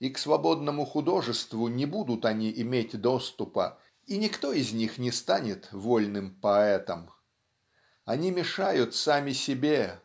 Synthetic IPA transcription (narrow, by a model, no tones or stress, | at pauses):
iksvɐbo̞d̪nəmʊxʊd̪o̞ʐɨst̪vʊnʲɪbud̪ʊt̪ɐnʲiʔɪmʲetʲd̪o̞st̪ʊpə̰ | inʲɪkt̪o̞ɪzʲnʲixnʲɪst̪anʲɪt̪volʲnɨmpɐɛt̪əm | ɐnʲimʲɪʂajʊt̪samʲɪsʲɪbʲe